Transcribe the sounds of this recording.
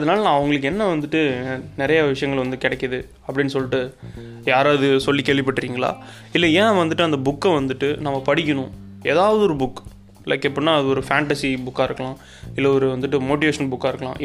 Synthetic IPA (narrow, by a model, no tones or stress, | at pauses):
ɐðɐnaːlɐnãːɐʋɐŋɡɐɭɯkːɯɛnːɐʋɐnd̪ɯʈːɯnɪɾɐjɐʋɪʂɐjɐŋɡɐɭʋɐnd̪ɯkɪɽɛkːɐðɯ | ɐpːɐɽɪnːɯsɔlːɪʈːɯjaːɾaːðɯsɔlːikeːɭʋɪpːɐʈːɯɾiːŋɡɐɭa̰ː | ɪlːɐẽːaʋɐnd̪ɯʈːɯɐnd̪ɐbʊkːɛʋɐnd̪ɯʈːɯnaːmːɐpɐɽɪkʲːɐnʊ̃ | eːðaːʋɐðɯɔɾɯbʊkː | lɐkːɛpːɐɽnːaːɐðɯɔɾɯfaːɳʈɐsibʊkːaːɪɾɯkːɐɭãː | ɪlːɐɔɾɯʋɐnd̪ɯʈːɯmoːʈ̬ɪʋeːʂɐnbʊkːaːɪɾɯkːɐlã̰ːʔ